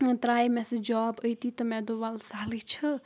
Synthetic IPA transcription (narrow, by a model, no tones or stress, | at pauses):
t̪ɾaːjmẽsɐd͡ʒɔːbəjt̪it̪ɐmɛd̪oʋalsaːlit͡ʃʰɐ